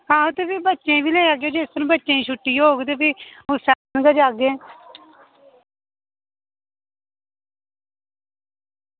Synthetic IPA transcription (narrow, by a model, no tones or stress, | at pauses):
kãːõt̪eːpiːbətːʃẽːʋiːleːaːɡjeːd͡ʒest̪əɾãːbətːʃẽːĩːʃʰʊʈːijoːɡd̪eːpiːʊsaːnɡəd͡ʒaːɡẽː